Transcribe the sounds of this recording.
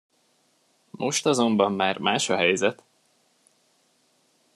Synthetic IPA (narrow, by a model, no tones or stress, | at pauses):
mʔo̞ʃt̪ɒzo̞mbɒmːaːrmaːʃɒɦɛjzɛt̪